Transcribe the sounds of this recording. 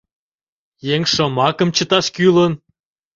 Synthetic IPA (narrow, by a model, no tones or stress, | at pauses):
jeŋʃə̆mɑkə̆mt͡ɕət̪ɑʃkylən